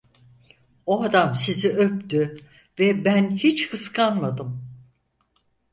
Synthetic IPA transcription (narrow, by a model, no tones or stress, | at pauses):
oad̪amsiziʔøpt̪y | vɛbænhit͡ʃhɯskʰanmad̪ɯm